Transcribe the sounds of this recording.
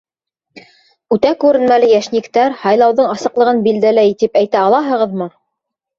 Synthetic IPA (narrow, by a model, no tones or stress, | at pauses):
ʉt̪ækʉɾɘ̆nmælɘjæʃnikt̪æɾhɑjlˠɑwðɤɴɑsɤ̆qlˠɤ̆ʁɤnbild̪ælæjt̪ipæjt̪æɑlˠɑɦɤ̆ʁɤðmɤ